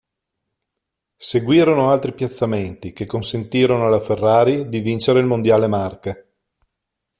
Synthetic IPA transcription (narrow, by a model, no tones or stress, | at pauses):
seɡwiːɾonoalt̪ɾipjat̪sːament̪ikekːonsent̪iːɾonoalaferːaːɾid̪ivint͡ʃeɾeilmond̪jaːlemarke